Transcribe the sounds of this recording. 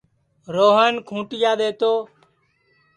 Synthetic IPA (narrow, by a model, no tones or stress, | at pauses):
ɾoːɦənkʰũːʈɪjaːɗ̪eːt̪oː